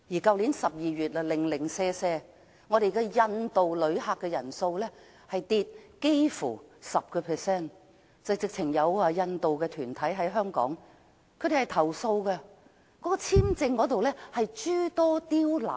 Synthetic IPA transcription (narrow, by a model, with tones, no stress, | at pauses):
jiː˨˩kɐ˧wli˨˥nsɐ˨p̚jiː˨ɥyː˨t̚lɐ˨lɪ˨˩ŋlɪ˨˩ŋsɛː˧sɛː˧ | ŋɔ˨˧ɾe˨jkɛ˧jɐ˧nt̪o˨wlɵ˨˧˥ɥɦaː˧kːɛː˧jɐ˨˩nso˧wlɛː˥ | hɐ˨jt̪iː˧t̚ke˥jfṵː˨˩sɐ˨p̚kɛː˧pʰɛː˨sɛː˥˩n | t͡sɐ˨jt͡sɪ˨k̚t͡sʰɪ˨˩ŋjɐ˨˧waː˧jɐ˧nt̪o˨wkɛː˧t̪ʰyː˨˩nt̪ʰɐ˨˥jɦɐ˨˥jɦœː˥ŋkɔ̰ː˨˥ŋ | kʰɵ˨˧ɥd̪e˨˩hɐ˨jt̪ʰɐ˨˩wso˧wkɛ˧ | kɔː˨˥kɔː˧t͡sʰiː˥mt͡sɪ˧ŋkɔː˨˥t̪o˨wlɛː˥hɐ˨jt͡ʃyː˥t̪ɔː˥t̪iː˥wla̰ː˨˩